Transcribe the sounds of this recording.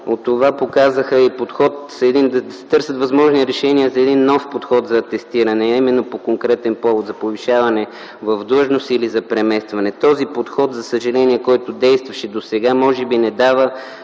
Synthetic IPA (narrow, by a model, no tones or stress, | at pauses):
ot̪ːovapokazəxəipot̪xɔt̪zɐɛd̪ind̪ɐd̪sɛ̥t̪ɤɾsət̪vɐzmɔʒniɾɛʃɛniəzɐɛd̪inːɔfpot̪xɔt̪zɐt̪ɛst̪iɾɐnɛɐimɛnːopokoŋkɾɛt̪ɛnpɔvot̪zɐpoviʃavɐnɛ | vɐvd̪lˠɤʒnosilizɐpɾɛmɛst̪vɐnɛt̪ɔzipot̪xɔt̪zɐsəʒɐlɛniɛkɔjt̪od̪ɛjst̪vɐʃɛd̪osɛɡamɔʒɛbinɛd̪avə